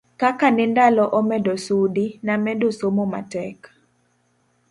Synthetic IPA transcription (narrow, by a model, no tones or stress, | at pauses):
kakanɪndalɔʔɔmɛdosudinamɛdosomoma̰tɛk